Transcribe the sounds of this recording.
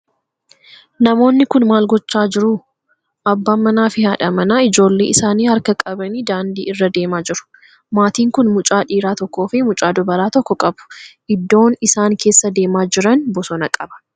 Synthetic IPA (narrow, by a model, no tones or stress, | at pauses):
nɐmo̞ːnːɪkʊnmaːlɡɔt͡ʃːaːd͡ʒɪɾʊ | ʔɐbːɐmɐnaːfɪhɐᶑɐmɐnaːɪd͡ʒo̞ːlːeːɪsaːniːhɐɾkɐkʼɐbɐniːd̪aːnd̪ḭːʔɪrːɐd̪e̞ːmaːd͡ʒɪɾʊ̥ | maːt̪iːŋkʊnmʊt͡ʃʼaːᶑiːɾaːt̪ɔkːoːfɪmʊt͡ʃʼaːd̪ɔbɐɾaːt̪ɔkːɔkʼɐbʊ̥ʔɪd̪ːo̞ːnɪsaːŋkʰe̞ːsːɐd̪e̞ːmaːd͡ʒɪɾɐnbɔsɔnɐkʼɐbɐ̥